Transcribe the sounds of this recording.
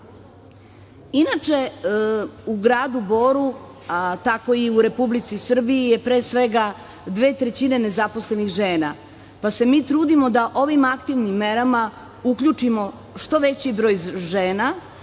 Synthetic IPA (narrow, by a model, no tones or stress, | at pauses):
inat͡ʃe̞ | uɡɾaːd̪ubo̞ːɾu | at̪ako̞iuɾe̞publit̪sisr̩biijepɾe̞ːsʋe̞ɡa | d̪ʋe̞ːt̪ɾe̞t͡ɕine̞ne̞zapo̞sle̞nixʒeːna | pase̞miːt̪ɾuːd̪imo̞d̪aʔo̞ʋimakt̪iʋnimːeɾama | ukʎut͡ʂimo̞ | ʃt̪o̞ʋe̞t͡ɕibɾo̞ːjʒeːna